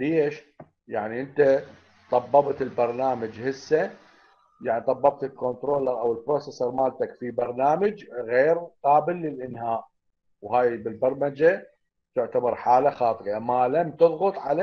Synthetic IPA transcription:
leːʃ | jaʕniʔɪnt̪a | t̪ˤɑbːɑbt̪ɪlbɑɾˤnaːmad͡ʒhɪsːa | jaʕnit̪ˤɑbːɑb̚t̪ɪlkont̪ɾoːlɑɾˤʔawɪlbɾoːsesɑɾˤmaːlt̪akfibɑɾˤnaːmad͡ʒɣeːɾqɑːbɪlːɪlʔɪnhaːʔ | whaːjbɪlbɑɾˤmad͡ʒa | t̪ʊʕt̪abɑɾˤħaːlaxɑːt̪ˤɨʔamalamt̪ʊðˤɣʊt̪ˤʕala

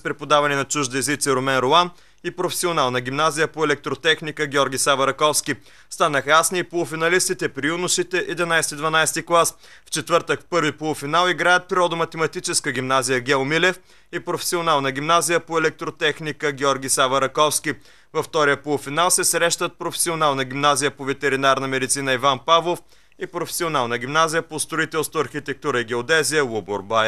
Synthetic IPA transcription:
spɾɛpod̪avɐnɛnɐt͡ʃuʒd̪əɛzit̪sɛɾomɛnɾoan | ipɾofɛ̥sionalˠnəɡʲimnazijəpoɛlɛk̚t̪ɾot̪ɛxnikəɡʲɔɾɡʲisavɐɾɐkɔfskʲi | st̪anəxəjasniːpolˠʊfinɐlist̪it̪ɛpɾiunʊʃit̪ɛʔid̪ɛnajsɛt̪id̪vɐnajst̪iklˠas | ft͡ʃɛt̪vɤɾt̪əkpɤɾvipolˠʊfinalˠiɡɾajət̪̚pɾiɾɔd̪əmɐt̪ɛmɐt̪it͡ʃɛskəɡʲimnazijəɡʲɛomilɛf | ipɾofɛ̥sionalˠnɐɡʲimnazijəpoɛlɛk̚t̪ɾot̪ɛxnikəɡʲɔɾɡʲisavɐɾɐkɔfskʲi | vɐft̪ɔɾijəpolˠufinalˠsɛsɾɛʃt̪ət̪̚pɾofɛ̥sionalˠnəɡʲimnazijəpovɛt̪ɛɾinaɾnəmɛd̪it̪sinəivanpavlˠof | ipɾofɛ̥sionalˠnəɡʲimnazijəpost̪ɾoit̪ɛlˠst̪voɐɾxʲit̪ɛk̚t̪uɾəiɡʲɛod̪ɛzijəlˠuboɾba

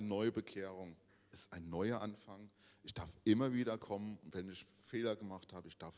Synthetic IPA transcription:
nənɔʏəbəkʰeːʁ̞ʊŋ | ʔɪstaɪnːɔʏɐʔanfaŋʔɪçd̥aɐfʔɪmɐviːdɐkʰɔmənʊntv̥ɛnɪç | feːlɐɡəmaχthaːbəɪçd̥aɐf

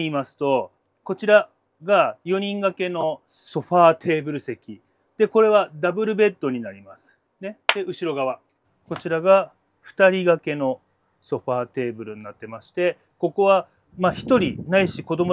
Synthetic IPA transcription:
iːmasɨ̥t̪o̞ | ko̞t͡ɕiɾa | ɡajo̞ɲ̟ĩŋɡake̞no̞ | so̞ɸaːt̪ʰe̞ːbɯ̟ɾɯ̟se̞kʲi | d̪̥e̞ko̞ɾe̞βad̪abɯ̟ɾɯ̟be̞t̪ːo̞ɲ̟inaɾʲimasɨ̥ | ne̞d̪̥e̞ɯ̟ɕiɾo̞ɡaβa | ko̞t͡ɕiɾaɡa | ɸɯ̟̥t̪aɾʲiɡake̞no̞ | so̞ɸaːt̪e̞ːbɯ̟ɾɯ̟ɲ̟nat̪ːe̞maɕi̥t̪e̞ | ko̞ko̞βa | maːçi̥t̪o̞ɾʲḭnaiɕiko̞d̪o̞mo

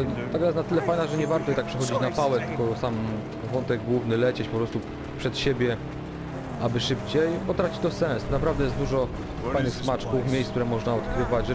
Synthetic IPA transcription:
t̪aɡ̪ajɛst̪nat̪ɘlɛfajnaʐɛɲɛvaɾt̪ɔjɛt̪akpʂɛxɔd͡ʑit͡ɕnafawɛt̪ɘkɔsam | vɔnt̪ɛɡ̚ɡwuvnɘlɛt͡ɕɛt͡ɕpɔpɾɔst̪u | pʂɛt̪ɕebʲjɛ | abɘʂɘpt͡ɕejbɔt̪ɾat͡ɕi̥t͡ɕt̪ɔsɛ̃ñsnapɾavd̪ɛjɛst̪d̪uʐɔ | fajnɘxsmat͡ʂkufmʲejskt̪uɾɛmɔʐnaɔt̪kɾɘvat͡ɕ

